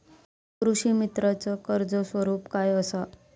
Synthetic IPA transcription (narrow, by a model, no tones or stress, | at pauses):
kɾuɕimit̪ɾat͡səkəɾd͡zəsʋəɾuːpkajəsa